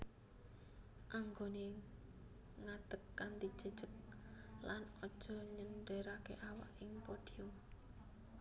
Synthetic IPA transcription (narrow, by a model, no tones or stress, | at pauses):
ʔaŋɡone | ŋad̪̥əkːant̪id̥ʒ̥ə̤d̥ʒ̥ək̚lanɔd̥ʒ̥ɔ̤ɲənɖeɾakḛʔawa̰ʔɪŋpod̪̥io